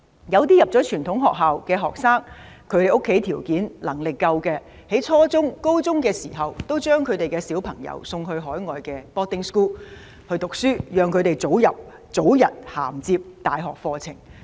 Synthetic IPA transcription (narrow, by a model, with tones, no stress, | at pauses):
jɐ˨˧wt̪iː˥jɐ˨p̚t͡sɔː˨˥t͡ʃʰyː˨˩nt̪ʰʊ˨˥ŋɦɔ̰ː˨k̚ɦaː˨wkɛː˧ɦɔː˨k̚saː˥ŋ | kʰɵ˨˧˥t̪e˨jʔʊ˥kʰːe˨˥jt̪ʰiː˨˩wkiː˨˥nlɐ˨˩ŋlɪ˨kːɐ˧wkɛː˧ | he˨˥jt͡sʰɔː˥t͡sʊ˥ŋko˥wt͡sʊ˥ŋkɛː˧siː˨˩ɦɐ˨wt̪o˥wt͡ʃœː˥ŋkʰɵ˨˧t̪e˨jkɛː˧siː˨˥wpʰɐ˨˩ŋjɐ̰˨˧wsʊ˧ŋɦɵ˧ɥɦɔː˨˥jŋɔː˨jkɛː˧pɔː˥t̪ɪ˥ŋskuː˥ | hɵ˧ɥt̪ʊ˨k̚syː˥jœː˧ŋkʰɵ˨˧ɥt̪e˨jt͡so˨˥wjɐ˨p̚ | t͡so˨˥wjɐ˨t̚ha̰ː˨˩mt͡siː˧p̚t̪aː˨jɦɔ̰ː˨k̚fɔː˧t͡sʰɪ̰˨˩ŋ